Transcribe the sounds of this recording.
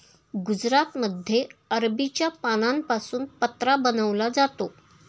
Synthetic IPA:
ɡud͡zɾat̪məd̪ʱjeəɾbit͡ɕjapañampasuːnpət̪ɾabənəʋlad͡zat̪o

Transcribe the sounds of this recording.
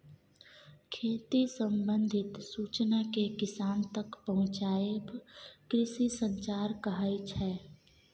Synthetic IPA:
kʰeːt̪isə̃mbə̃nd̪ʱɪt̪suːt͡ʃnakekɪsaːnt̪ɐkpɐɦʊ̃t͡ʃaːjebkɾɪʃisə̃ɲt͡ʃaːɾkəɦait͡ʃʰɛː

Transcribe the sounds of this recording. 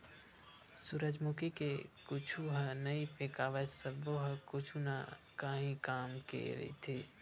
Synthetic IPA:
suɾəd͡ʒmukikekʊt͡ʃʰuɦənəipʰekaːʋəsəboɦəkʊt͡ʃʰuna̰ | kaɦĩkaːmkḛɾə̰ḭt̪ʰi

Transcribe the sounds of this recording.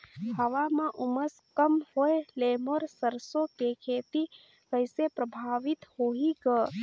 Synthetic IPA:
həʋamãʔʊməs | kəmhoeleːmoɾsəɾsokekʰeːt̪i | kəɪsepɾəbʱaːʋit̪hoːiɡə

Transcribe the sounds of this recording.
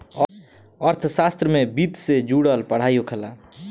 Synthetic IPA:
əɾt̪ʰsast̪ɾəmebit̪sed͡ʒuɽəlpəɽ̤ajokʰəla

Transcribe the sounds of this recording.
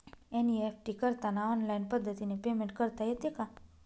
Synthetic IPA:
eniefʰʈikəɾt̪anaɔnlajnpəd̪ʱːət̪inepemẽɳʈ̚kəɾt̪ajet̪jeka

